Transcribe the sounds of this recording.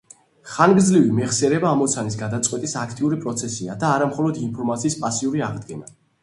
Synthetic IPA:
χanɡd̪zlivimɛʁsɛɾɛbaːmɔt̪sʰanis̬ɡad̪at̪sʼqʼwɛt̪ʼisakʰt̪ʼiuɾipʼɾɔt̪sʰɛsiad̪aːɾamχɔlˠɔd̪inpʰɔɾmat̪sʰiːspʼasiuɾiaʁd̪ɡɛma̰

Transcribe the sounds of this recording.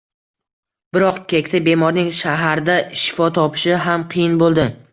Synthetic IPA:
bɪɾɒqkʲʰekʲt̪abe̞mɒɾnɪŋʃaɦaɾd̪aʃɪ̥fɒt̪ʰɒpʰɪ̥ʃɪɦamqʰɨjɪnbolˠd̪ɪ

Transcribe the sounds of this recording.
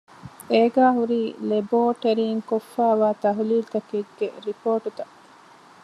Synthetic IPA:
eːɡaːɦuɾiːleboːʈeɾiːŋkofːæːʋaːt̪ɐɦuliːlt̪ɐkeɡːḛɾipoːʈut̪ɐ

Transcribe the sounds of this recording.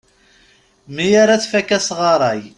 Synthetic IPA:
mijaɾat͡sːfækːæsʁɑɾˤɑj

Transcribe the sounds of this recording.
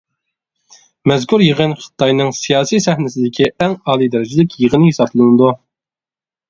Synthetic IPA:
mɛzkʰuɾjiʁənχə̥t̪ʰɑjnɨŋsijɑːsijsɛhnɪsɪd̪ɪkʲʰiɛŋɑːlˠid̪ɛɾɪd͡ʒɪlɪkʲjiʁənɨhesɑblˠɨnɨd̪u

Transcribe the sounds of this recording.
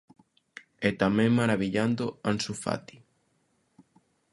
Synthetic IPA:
ɛt̪amɛ̃ŋmaɾaβiʎand̪oansufa̰t̪i̥

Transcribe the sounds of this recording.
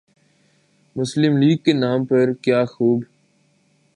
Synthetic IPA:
mʊslɪmliːɡ̚kenaːmpɐɾkjaːxuːb

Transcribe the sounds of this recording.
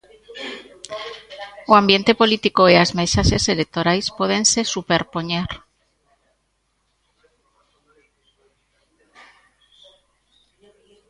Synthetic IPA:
oambje̞nt̪e̞po̞lit̪ikoeazmesaseselek̚t̪oɾajspweðe̞nse̞supeɾpo̞ɲeɾ

